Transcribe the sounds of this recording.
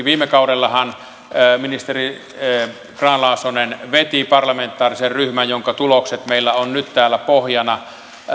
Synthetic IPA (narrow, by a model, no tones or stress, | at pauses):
ʋiːmːˑekɑudelːɑhɑn | minist̪eri | krɑːnlɑˑːsonenʋet̪ipɑrlɑment̪ːˑɑːriserryhmæjjoŋkɑt̪ulokset̪meilːæonnyt̪t̪æːlːˑæpohjɑnɑ